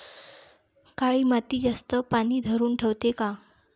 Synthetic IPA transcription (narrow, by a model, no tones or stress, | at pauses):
kaɭiːmat̪iːd͡zast̪əpañiːd̪ʱəɾuːnʈʰewt̪eka